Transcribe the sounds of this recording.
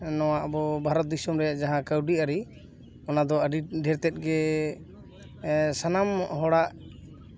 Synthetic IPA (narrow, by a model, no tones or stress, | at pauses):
nɔwaʔbɔbʱaɾɔt̪̚d̪isɔmɾɛjaʔd͡ʒaɦãkəwɖiaɾi | ɔnad̪ɔəɖiɖʱɛɾt̪ɛt̪̚ˀɡɛ | sanamɔʔɦɔɽaʔ